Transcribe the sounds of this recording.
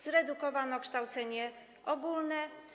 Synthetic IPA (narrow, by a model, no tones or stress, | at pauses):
zɾɛd̪ukɔvanɔkʂt̪awt̪sɛɲɛ | ʔɔɡulnɛ